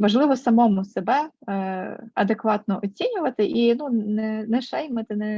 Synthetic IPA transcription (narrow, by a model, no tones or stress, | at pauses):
ʋɐʒlˠɪʋɔsɐmɔmʊsebɛ | ɐd̪ekʋɑt̪nɔʔɔt͡sʲinʲʊʋɐt̪ɪʔinunɛnɛʃɛjmɐt̪ɪnɛ